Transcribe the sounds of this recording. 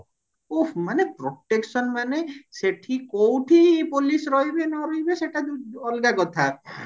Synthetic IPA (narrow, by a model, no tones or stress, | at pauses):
ufmanepɾoʈeksɔnmaneseʈʰikowʈʰipolisɾɔɦibenɔɾɔɦibeseʈad̪uɔlɡakɔt̪ʰa